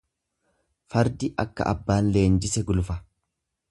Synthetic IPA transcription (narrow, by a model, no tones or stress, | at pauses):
fɐɾd̪ɪʔɐkːɐ̰ʔɐ̰bːaːnle̞ːnd͡ʒɪsɛɡʊlʊfɐ